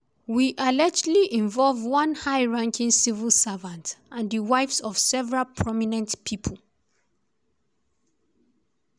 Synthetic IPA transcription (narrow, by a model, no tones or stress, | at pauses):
wiʔalɛd͡ʒdliʔĩɱvɔlvwʌ̃nhaɪɹãŋkʰĩŋsivəlˠsavãntãndəwaɪfsɔv̥sɛvɛɹalpʰɹɔminɛ̃ntpʰipʰəl̩